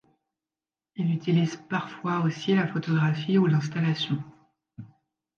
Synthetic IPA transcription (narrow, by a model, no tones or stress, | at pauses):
ilyt̪ilizpaʁfwaosilafot̪ɔɡʁafiulɛ̃st̪alasjɔ̃